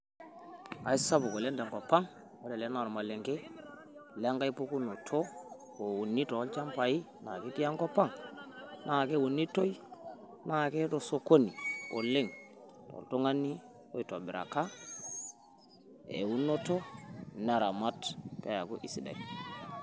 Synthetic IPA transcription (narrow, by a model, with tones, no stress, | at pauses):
a˨i˦sa˦bu˨ko˨le˦nda˨ŋko˨pːa˦ŋ | wo˦de˨le˦na˨ɾo˨ma˨lːe˨ŋke˦ | le˦ŋɡa˦jpo˦ku˦nːo˨tʰo˦ | ko˨wu˨nːi˦to˨˦lt͡ʃa˦mpa˨ji˦ | na˨ke˦ti˦ja˦ŋko˦pa˦ŋ | nʔa˨ke˦wu˨nːi˦to˦ji˦ | na˦˨ke˦do˨so˦˨ko˦ni˨ko˨le˦ŋ | to̰˨lto˦ŋa˦nːi˦ | o˦i˨to˨bi˨ɾa̰˨ka˦ | ḛ˨wu˦nːo˦to˦na˨ɾa˨ma˦tpe˦ja˨ɡu˦ʔi˨si˨da̰˨i